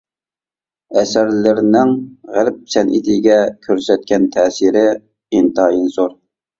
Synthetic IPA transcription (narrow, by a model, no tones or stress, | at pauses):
ɛsæɾlɪɾnɪŋʁælp̚sʰɛnʔḭt̪ʰɪɡʲɛkʲʰøɾsɛt̪̚kʲʰɛnt̪ʰɛːsiɾɪ | int̪ɑjinzoɾ